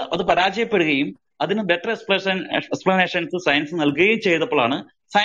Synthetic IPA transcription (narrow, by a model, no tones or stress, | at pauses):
ɐ̰ðɨpɐɾaːd͡ʑɐjɐpːe̞ɽuɣɐjum | ɐðinɨbe̞ʈrɐekspɐɐnesplɐneːʂɐnsɨsɐjɐnsɨnɐlkuɣɐjumt͡ɕe̞jt̪ːɐpːoɭaːɳɨ | sɐ